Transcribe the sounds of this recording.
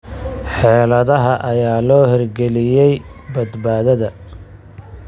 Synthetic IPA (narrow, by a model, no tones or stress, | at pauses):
ħɛːlɐðɐɦɐʔɐjaːlɔːhɪrɡɛlɪjɛjbɐd̪baːðɐðɐ